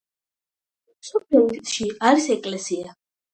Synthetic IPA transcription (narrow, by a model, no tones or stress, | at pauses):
msɔpʰlɛut̪ʃiaɾisɛkʼlɛsia